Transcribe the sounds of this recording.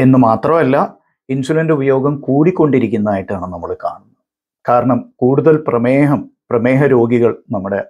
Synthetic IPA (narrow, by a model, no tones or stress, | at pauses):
e̞nːɨmaːt̪rɐmɐlːɐ | insulɐndɨubɐjo̞ːɡɐmkuːɽikʲːo̞ɳɖiɾikʲːunːɐaːjiʈːaːɳɨnɐmːɐɭkaːɳunːɐð | kaːɾɐɳɐmkuːɽuðɐlprɐmeːɦɐmprɐmeːɦɐɾo̞ːɡiɣɐɭnɐmːuɽe̞